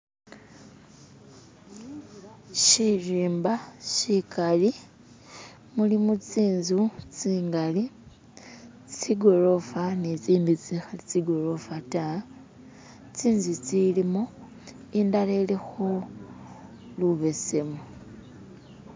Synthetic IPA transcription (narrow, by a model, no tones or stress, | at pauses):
ʃiʒiːmbaʃikali | mulimut͡siːnzut͡siːŋɡali | t͡siɡo̞ɾo̞fanet͡siːndit͡sixait͡siɡo̞ɾo̞fata | t͡siːnzut͡silimo | indale̞lexo | luβe̞se̞mo